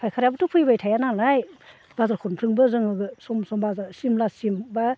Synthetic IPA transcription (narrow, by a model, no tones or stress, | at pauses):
pʰajkʰaɾjabatʰupʰɯjbajtʰajananaj | bazaɾkʰɔnpʰɾɯŋbɯzɯŋɯɡɯsɔmsɔmbazasimlasimba